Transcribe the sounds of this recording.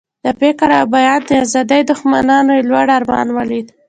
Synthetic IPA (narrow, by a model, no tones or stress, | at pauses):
d̪̥əpekaɾawbajɑd̪d̪əazɑd̪ajd̪ʊxma̰nɑnoelwaɽaɾmɑ̰nwalid̪